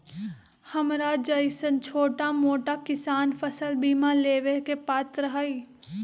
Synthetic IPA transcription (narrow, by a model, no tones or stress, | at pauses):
hɐmɾad͡ʒəɪsənt͡ʃʰoːʈamoːʈakɪsaːnfɐsəlbiːmãleːʋekepaːt̪ɾəɦaːiː